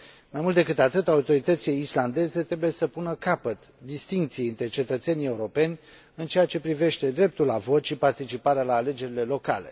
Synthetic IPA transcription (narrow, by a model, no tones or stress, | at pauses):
majmult̪ekɨt̪at̪ɨt̪aut̪o̞ɾit̪ət̪silejisland̪e̞ze̞t̪ɾebuje̞səpunəkapət̪ | d̪ist̪iŋkt̪sijeɨnt̪ɾe̞t͡ʃe̞t̪ət̪se̞nie̞uɾo̞pe̞nʲ | ɨnt͡ʃe̞jat͡ʃe̞pɾive̞ʃt̪e̞d̪ɾe̞p̚t̪ulavo̞t̪ʃipart̪it͡ʃipaɾealaːle̞d͡ʒe̞ɾile̞lo̞ka̰le̞̰